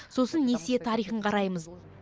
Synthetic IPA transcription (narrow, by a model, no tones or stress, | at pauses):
so̞sənːeset̪ʰɑɾijχəɴqʰɑɾɑjməz